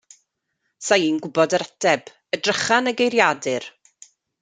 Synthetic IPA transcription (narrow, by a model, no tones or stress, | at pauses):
sajiːnɡʊbɔdəɾɛtʰɛb̥ | ədrəχanəɡejɾjadɨr